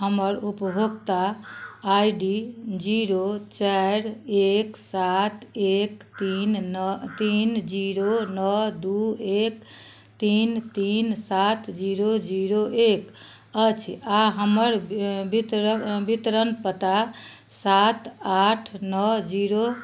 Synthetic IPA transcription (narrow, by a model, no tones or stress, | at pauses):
ɦəməɾupəbʱoɡt̪aː | jɖid͡ʒiɾot͡ʃaɾeksat̪ekt̪int̪ind͡ʒiɾonɔd̪uek | t̪int̪insat̪ʰd͡ʒiɾod͡ʒiɾoʔek | ət͡ʃʰaɦəməɾbit̪bit̪ɾənpət̪a | sat̪aʈʰnɔd͡ʒiɾo